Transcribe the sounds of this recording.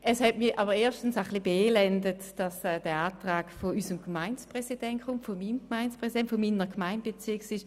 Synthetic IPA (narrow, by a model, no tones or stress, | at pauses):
ɛshɛtmiɐʔaːbəʁeːɐʃtn̩saχlibeːlɛndətd̥ɑsɛd̥ɛːɐaːtʁaːkfoyːsəmɡ̥maɪnspʁɛsid̥ɛntkʰʊmtfomiːmɡmaɪnspʁɛsidɛntfomiːnəkmaɪnb̥et͡sɪɐksɪʃ